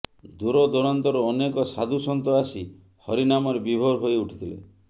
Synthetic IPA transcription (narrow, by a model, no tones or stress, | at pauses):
d̪uɾɔd̪ɔɾɔnt̪ɔɾuɔnekɔsa̰d̪ʱusɔnt̪ɔasi | hɔɾinamɔɾebibʱoɾɦojuʈʰi̥t̪ʰilḛ